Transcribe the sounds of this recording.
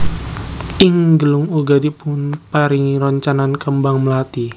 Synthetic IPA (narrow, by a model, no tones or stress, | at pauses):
ʔɪŋɡəlʊŋuɡadipʊnpaɾiŋiɾɔɲt͡ʃanankəmbaŋməlat̪i